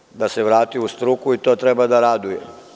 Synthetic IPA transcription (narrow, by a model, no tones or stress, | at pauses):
d̪aseʋɾaːt̪iust̪ɾukuit̪oːt̪ɾɛbad̪aɾad̪ujḛ